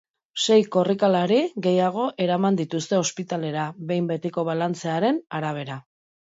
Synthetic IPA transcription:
se̞jko̞rikalaɾiɣe̞jaɣ̞o̞ʔe̞ɾamand̪it̪ust̪e̞o̞spit̪ale̞ɾaβe̞jmbe̞t̪iko̞βalant͡se̞aɾe̞naɾaβ̞e̞ɾa

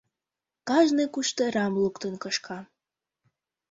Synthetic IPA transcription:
kɑʒnɨkuʃt̪ɤ̆ɾɑmlukt̪ə̆nkɤʃkʰɑ

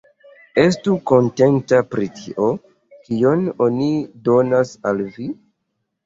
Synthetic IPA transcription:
e̞s̬tuko̞nte̞ntapɾitʰiʔo̞ | kio̞nonido̞nasalvi

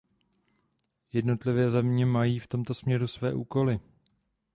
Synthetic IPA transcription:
jɛdno̞t̪lɪvɛːzɛmɲɛmajiːft̪o̞mt̪o̞smɲɛɾusvɛ̰ːʔuːko̞lɪ

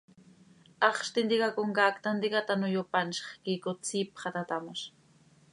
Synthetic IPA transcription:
ɑχʃt̪ɪnd̪ɪkakoŋɡakt̪and̪ɪkat̪anʊjopanʃɑ̥χkɪkʊt͡sɪpχɑt̪at̪amʊʃ

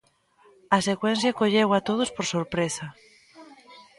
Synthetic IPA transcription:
ɐsekwɛn̟θjakoʎewat̪oð̞ospoɾsoɾpɾesɐ

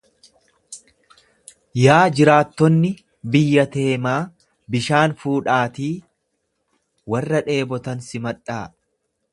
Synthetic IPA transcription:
jaːd͡ʒɪɾaːt̪ːɔnːɪ | bɪjːɐt̪e̞ːmaː | bɪʃaːnfuːᶑaːt̪iː | wɐrːɐᶑe̞ːbɔt̪ɐnsɪmɐᶑaː

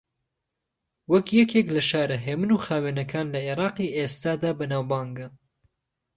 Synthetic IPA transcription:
wɐkjɛkeklɐʃaːɾɐɦeːmɨnuːxaːweːnɐkʰaːnlɐʔeːɾɑːqiːʔeːst̪aːd̪aːbɐnaːwbɑːŋɡɐ

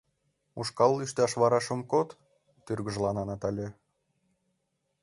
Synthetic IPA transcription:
uʃkɑlˠːyʃt̪ɑʃβɑɾɑʃə̆mkot̪ː | yrɣə̆ʒlɑnɑnɑt̪ɑlʲĕ

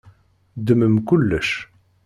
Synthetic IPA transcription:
d̪əməmkʊlːəʃ

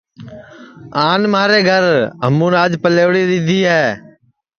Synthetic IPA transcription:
aːnmaːɾeːɡʱəɾɦəmũːnaːd͡ʒpəleːʋɽiːd̪ɪd̪ʱiːɦɛː

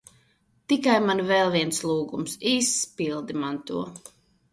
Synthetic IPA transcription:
t̪ikajmanvɛlˠviɛnslˠuːɡumsiːsːpilˠd̪imant̪ṵɔ

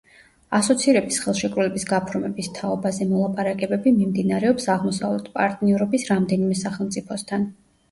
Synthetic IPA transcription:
asɔt̪sʰiɾɛbisχɛlˠʃɛkʼɾulɛbisɡapʰɾmɛbist̪ʰaɔbazɛmɔlˠapʼaɾakʼɛbɛbimimd̪inaɾɛɔpsaʁmɔsa̰vlɛt̪ʰpʼa̰ɾt̪ʼniɔɾɔbisɾamd̪ɛnimɛsaχɛlˠmt̪sʼipʰɔst̪ʰan

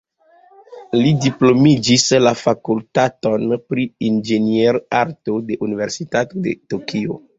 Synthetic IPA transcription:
lidiplo̞mid͡ʒislafakultato̞npɾiind͡ʒenieɾaɾto̞de̞ʔunive̞ɾsitatode̞̰tokʰio̰

